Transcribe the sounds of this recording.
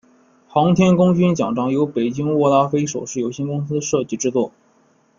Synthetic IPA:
xɑ˧˥ŋt̪ʰjɛ˥nkʊ˥ŋt͡ɕy˥nt͡ɕjɑ˨˩ŋʈ͡ʂɑ˥ŋjo˧˥ʊpe˨˩ɪt͡ɕi˥ŋwɔ˥˧la˥fe˥ɪʂo˨˩ʊʂɻ̩˥˩jo˨˩ʊɕjɛ˥nkʊ˥ŋs̬ɹ̩˥d̪ə˨ʂɤ˥˧t͡ɕi˥˩ʈ͡ʂɻ̩˥t͡swɔ˥˩

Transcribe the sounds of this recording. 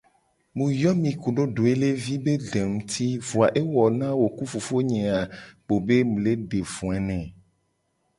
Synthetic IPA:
mũ˨jɔ˦mĩ˨ku˨ɖo˦ɖo˨e˦le˦vi˦be˦de˨ŋũ˦t̪ʰi˦vu˨a˨ʔe˦wɔ˨nã˦wo˨ku˦fu˨fo˦ɲɛ̃˨a˨k͡po˨be˦mũ˨le˦ɖe˨vũ˨a˨nɛ̃˨

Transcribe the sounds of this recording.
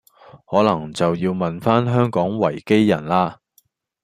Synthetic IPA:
hɔː˨˥lɐ˨˩ŋt͡sɐ˨wjiː˧wmɐ˨nfaː˥nɦœː˥ŋkɔː˨˥ŋwɐ˨˩jke˥jːɐ̰˨˩nlaː˧

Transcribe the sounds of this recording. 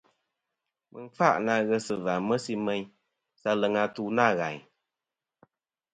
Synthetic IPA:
mɨ̰˨n˦fa̰˦ʔna˧˨ɣə˧sɨ˨va˨mə˦si˦mə˦ɲ | sa˧lə˨ŋa˧tu˦na˦˨ɣa˨ɲ

